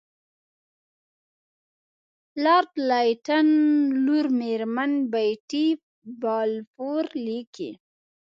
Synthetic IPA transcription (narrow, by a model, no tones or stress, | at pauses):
lɑɾt̪lajʈanluɾmeɾmanbajʈi | bɑlfoɾlikḭ